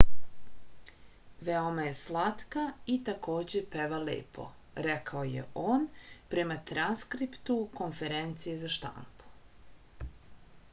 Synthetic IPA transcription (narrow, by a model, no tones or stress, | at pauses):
ʋeomaje̞slˠat̪kait̪ako̞ːd͡ʑe̞peʋalḛːpʰo̞̰ | ɾekaoje̞̰ʔoːnpɾe̞mat̪ɾanskɾipt̪uko̞nfe̞ɾent̪sijezaʃt̪a̰mpu̥